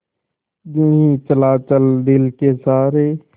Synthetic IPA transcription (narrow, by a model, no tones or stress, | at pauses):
d͡ʒeɦĩːt͡ʃəlaːt͡ʃəld̪ɪlkeːsaːɾeː